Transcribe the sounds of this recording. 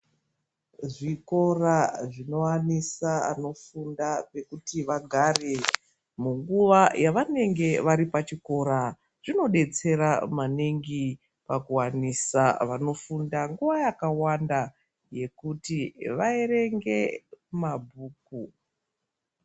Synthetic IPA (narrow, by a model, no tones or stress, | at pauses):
ʐiko̞raʐino̞wanisaa̰no̞fundape̞kutiʋaɡʱare̞ | muŋɡuʋajaʋane̞ŋɡe̞ʋaɾipat͡ʃiko̞ɾa | ʐ̥ino̞ɗe̞t͡se̞ɾamaneŋɡi | pakuwanisaʋano̞fundaŋɡuʋajakawanda | je̞kutiʋaere̞ŋɡe̞mabʱuːku